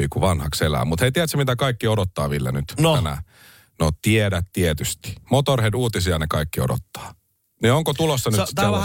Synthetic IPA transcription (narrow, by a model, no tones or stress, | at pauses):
iːkuʋɑnhɑkselæ̰ːmut̪heit̪iæt̪sæmit̪ækɑikːiodot̪ːɑːʋilːæ̰nyt̪nænæ̰ | not̪iedæt̪t̪iet̪yst̪i̥mot̪orheduːt̪isiɑnekɑikːio̰do̰t̪ːɑ̥ː | nioŋkot̪ulosːɑnyst̪ːæ